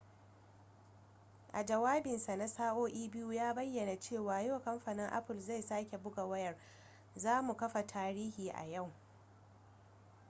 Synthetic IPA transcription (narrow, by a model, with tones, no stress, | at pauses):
ʔa˨d͡ʒɐ˨waː˦bɪ˨nsa˨na˦saː˦ʔoː˦ʔiː˦bɪ˦ju˦jaː˦bɐ˦jːɐ˨na˨t͡ʃeː˦˨waː˨jo˦˨kɐ˦mɸaː˨nɪ˦ŋʔa̰˦pɪ˨lza˦˨jsaː˦kʲe˨bʊ˦ɡa˨wɐ˦jɐ˨r | zaː˦mu˨kɐ˦ɸa˨tʰaː˦ɾiː˦hiː˨ʔa̰˨ja˦˨w